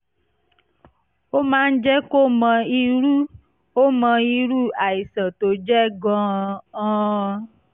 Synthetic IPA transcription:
o˦mãː˦n̩˦d͡ʒɛ˦ko˦mɔ̃˧i˧ɾu˦ | o˦mɔ̃˧i˧ɾu˦a˨i˨sɔ̃˨to˨d͡ʒɛ˦ɡɔ̃˧ɔ̃˦˧

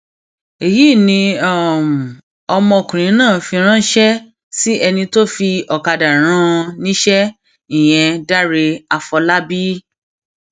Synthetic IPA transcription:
e˨ji˨˦˨nĩ˧a˦˨m˨ | ɔ˧mɔ̃˧o˨kũ˨ɾ̃ĩ˨˦nãː˦˨fi˧ɾ̃ã˦ʃɛ˦ | si˦ʔɛ˧nĩ˧to˦fi˧ɔ˨ka˧da˨ɾ̃ã˦nĩ˦ʃɛ˦ | i˦˨j̃ɛ̃˧da˦ɾe˧a˧fɔ˧la˦bi˦

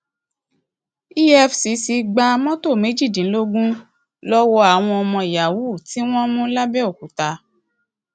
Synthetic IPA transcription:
i˦ɛ˦fsi˨˦si˨˧ɡ͡ba˧mɔ̃˦to˦˨me˨˦d͡ʒi˦˨dĩ˨˦lo˦ɡũ˦ | lɔ˦wɔ˧a˨w̃ɔ̃˧ɔ˧mɔ̃˧i˨ja˨wu˦˨ti˨˦w̃ɔ̃˦mũ˦la˦bɛ˦o˦˨ku˨ta˧

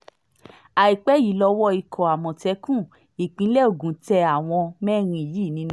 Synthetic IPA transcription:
a˨i˨k͡pɛ˨˦ji˨˦lɔ˧˦wɔ˧i˨kʰɔ̃˨a˨mɔ̃˨tɛ˨˦kũ˦˨ | i˨k͡pĩ˨˦lɛ˦o˦˨ɡũ˨˦tɛ˧a˦˨w̃ɔ̃˧mɛ̃˦˨ɾ̃ĩ˧i˨ji˦˨nĩ˧ñ˦

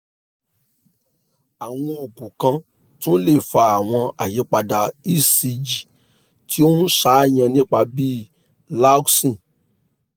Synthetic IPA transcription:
a˨w̃ɔ̃˧o˨ɡũ˨kã˧ | tũ˦n̩˦le˦˨fa˧˦a˨w̃ɔ̃˧a̰˨je˨˦k͡pa˧da˨i˦si˧d͡ʒi˨ | tʰi˦o˦n̩˦ʃa˦j̃ã˧nĩ˦k͡pa˧bi˦ | la˦ksĩ˦˨

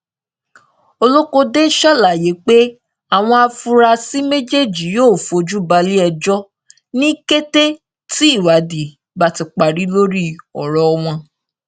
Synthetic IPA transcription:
o˧lo˦ko˧de˦ʃa˦˨la˨je˨˦k͡pe˦ | a˨w̃ɔ̃˧a˧fu˦ɾa˧si˦me˦d͡ʒe˦˨d͡ʒi˨˦joː˦˨fo˧d͡ʒu˦ba˧li˦ɛ˧d͡ʒɔ˦ | nĩ˦ke˦te˦ | ti˦i˦˨wa˨˦di˨ | ba˦˨ti˧k͡pa˨ɾi˨˦lo˦ɾi˦ɔ̰˨ɾɔ˨ɔ˧w̃ɔ̃˧

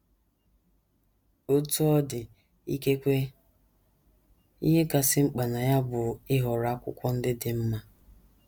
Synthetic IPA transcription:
o˦tu˦ɔ˦dɪ˨ | i˦ke˦kʷe˦ | ḭ˦ɦe˦ka˨sɪ˦ŋ͡m̩˦k͡pa˨na˨ja˦bʊ˨ɪ˦ɦɔ˨ɾa˨˦kʷʊ̰˦kʷɔ˦n̩˦dɪ˦dɪ˨m̩˦ma˦

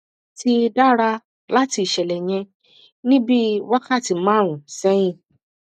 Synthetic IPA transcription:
ti˧˦da˦ɾa˧ | la˦ti˧i˨ʃɛ˨lɛ˨ɲ̃ɛ̃˧ | nĩ˦bi˦wa˦ka˦˨ti˧mãː˦˨ũ˨sɛ̃˦ĩ˧˨

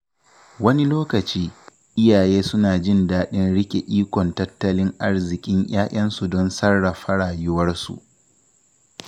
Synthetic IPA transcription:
wɐ˦ni˦loː˦kɐ˨t͡ʃiː˦ | ʔɪ˦jaː˨jeː˦sʊ˦naː˨d͡ʒɪ˦ndaː˦ɗɪ˦nɽɪ˦kʲe˨ʔiː˦kʷɔ˨ntɐ˦tːɐ˦lɪ˦ŋʔa˦rzɪ˨kʲʼɪ˦ɲj̰aː˦ʔʲɐ˦nsu˨dɔ˦nsɐ˦rːa˨ɸɐ˦ɽaː˨jʊ˦wɐ˦rsṵ˨ʔ

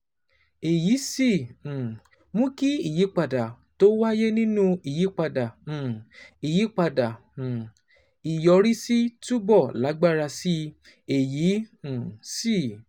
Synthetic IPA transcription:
e˨ji˨˦sĩ˦˨ | mũ˦ki˦i˦˨ji˨˦k͡pa˧da˨ | to˦wa˦je˦nĩ˦nũ˦i˨ji˨˦k͡pa˧dã˨ | i˨ji˨˦k͡pa˧dã˨ | i˨jɔ˧ɾi˦si˦tu˦bɔ˦˨la˨˦ɡ͡ba˦˨ɾa˧si˦ | e˨jĩ˨˦˨ | si˦˨

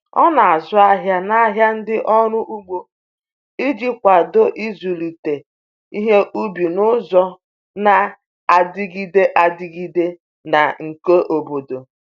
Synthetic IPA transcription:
ɔ̰˦na˨a˨zʊ˦a˦ɦja˦na˦ɦja˦n̩˦dɪ˦ʔɔ˦ɾʊ˦ʔu˦ɡ͡bo˨ | i˦d͡ʒi˦kʷa˨do˦ʔi˦zu˨li˨te˨ | i˦ɦe˦ʔu˦bi˨nʊ˦zɔ˦ | na˨ | a˨dɪ˦ɡi˦de˦ʔa˨dɪ˦ɡi˦de˦ | na̰˨ŋ̩˨ke˦ʔo˨bo˨do˨

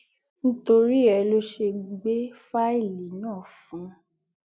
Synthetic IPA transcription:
ñ̩˦to˧ɾi˦ɛ˧lo˦ʃe˧ɡ͡be˦fa˦i˦˨li˨nãː˦˨fũ˨˦

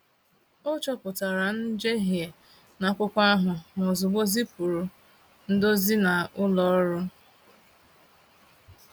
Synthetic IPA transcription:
o˦t͡ʃɔ˦pʊ˨ta˨ɾa˨n̩˦d͡ʒe˦ɦje˨ | na˨kʷʊ˦kʷa˦a˦ɦʊ˨m˨o˨zʊ˨ɡ͡bo˦zi˦pu˨ɾu˨ | n̩˦do˦zi˦na˨ʊ˦lɔ˨ɔ˦ɾʊ˦

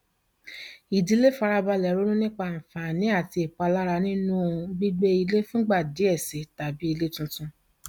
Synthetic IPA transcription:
i˨di˨˦le˦fa˧ɾa˧ba˧lɛ˨ɾo˦ɾũ˦nĩ˦k͡pa˧˨fa˨nĩ˨˦a˦˨ti˧e˨k͡pa˧la˦ɾa˧nĩ˦nũ˦˧bi˦ɡ͡be˦i˧le˦fũ˦ɡ͡ba˦˨di˨˦ɛ˦˨se˨˦ta˨bi˦i˧le˦tũ˧tũ˧

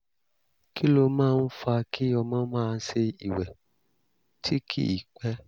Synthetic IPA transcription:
ki˦lo˧mãː˦˧n̩˦fa˧kʰi˦ɔ˧mã˦mãː˦˧˦se˧i˨wɛ˨ | tʰi˦kʰḭ˦i˨k͡pɛ˦

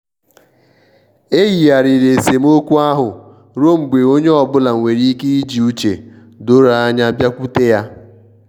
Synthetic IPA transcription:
e˦ɣi˨ja˨ɾɪ˨ɾe˨se˨m̩˦o˦kʷu˦a˦ɦʊ˨ | ɾo˦ŋ͡m̩˨ɡ͡be˨o˦ɲe˦ɔ˨bʊ˦la˨ŋʷe˨ɾi˦ke˦i˦d͡ʒi˨u˦t͡ʃḛ˨ | dʊ˦ɾa˨a˦ɲa˦a˦bja˦kʷu˦te˦ja˦

